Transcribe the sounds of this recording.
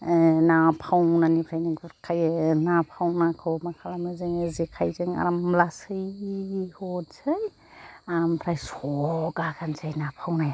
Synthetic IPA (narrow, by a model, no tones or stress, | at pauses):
napʰawnanipʰɾajnikʰajnapʰawnakʰɯwmakʰalamazɯŋɯzikʰajzɯŋa̰ɾamlasɯjhotsɯj | ampʰɾajsɔɡakʰanzʰajnapʰawnaj